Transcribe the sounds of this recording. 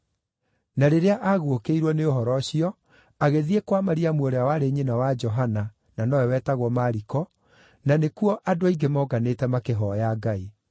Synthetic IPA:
naɾeɾeaʔaɣwokeiɾwɔneoɦɔɾɔɕiɔ | aɣeðiekwamaɾiamwoɾeawaɾeɲenawad͡ʒɔɦana | nanɔwɛwɛːtaɣwɔmaɾikɔ | nanekuɔʔadoaiɡemɔɡanetɛmakeɦɔjaɡai

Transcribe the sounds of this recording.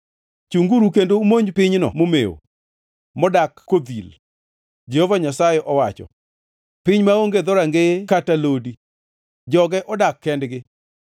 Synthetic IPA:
t͡ʃuŋɡuɾukendoumoɲpɪɲnɔ̰momḛo̰ | mɔdakːod̪il | d͡ʒehovaɲasajeʔɔwat͡ʃɔ̰ | pɪɲmaoŋɡed̪ɔɾaŋɡekatalodi | d͡ʒɔɡɛʔɔdakːɛndɡɪ

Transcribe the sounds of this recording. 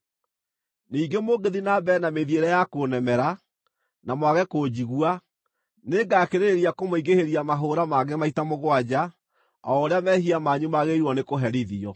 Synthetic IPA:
niːɡemoɡeðinaːbɛnameðjeɾɛjakoːnɛmɛɾa | namwaɣɛkod͡ʑiɣwa | neɡaːkeɾeeɾiakomoiɡeheɾiamaɦoɾamaɣɛmaitamoɣwad͡ʑa | ɔoɾeamɛɦiamaːɲumaɣeiɾwɔnekoɦɛɾiðiɔ

